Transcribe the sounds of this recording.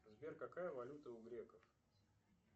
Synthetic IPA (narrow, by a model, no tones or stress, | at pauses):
zbʲerkɐkajəvɐlʲut̪əʊɡɾʲekəf